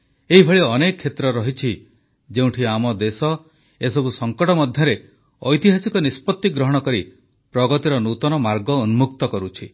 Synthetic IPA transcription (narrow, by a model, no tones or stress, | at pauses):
eɦibʱɔɭiɔnekɔkʰːet̪ɾɔɾɔɦit͡ʃʰi | d͡ʒeũʈʰiamɔd̪esɔ | esɔbusɔŋkɔʈɔmɔd̪ʱjɔɾe | ɔjt̪iɦasikɔnispɔt̪ːiɡɾɔɦɔɽ̃ɔkɔɾi | pɾɔɡɔt̪iɾɔnut̪ɔnɔmaɾɡɔːnumukt̪ɔkɔɾut͡ʃʰi